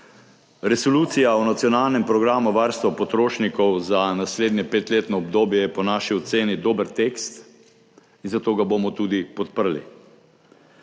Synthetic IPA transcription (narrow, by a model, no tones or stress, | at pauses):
ɾɛsɔluːt̪sijaunat̪sjɔnaːlnɛmpɾɔɡɾaːmuʋaːɾst̪ʋapɔt̪ɾoːʃnikɔwzanasleːd̪njɛpeːt̪leːt̪nɔɔbd̪oːbjɛjɛpɔnaːʃiɔt̪seːnid̪oːbəɾt̪eːkst̪ | inzat̪oːɡabomɔt̪uːd̪ipɔt̪̚pəɾlḭ